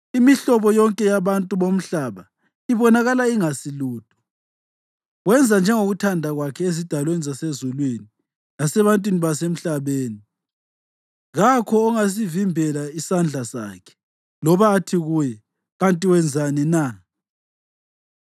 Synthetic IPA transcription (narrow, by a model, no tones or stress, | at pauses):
imiɬɔβɔjɔŋkʼɛjaβantʼuβom̩ɬaβa | iβɔnaɣalaiŋasiluːd̥ʱʼɔ̥ | ɣwɛnd͡zʱand͡ʒʱɛŋoɣutʰandʱaɣwakʰɛezid̥ʱalwenizasezulwini | lasɛβantʼwiniβasem̩ɬaβeːni | ɣakʰɔːŋas̬ivimbʱɛlaisand͡ɮʱasa̰ːkʰɛ̥ | lɔβaːtʰiɣuːjɛ | ɣantʼiwɛnd͡zʱanɛna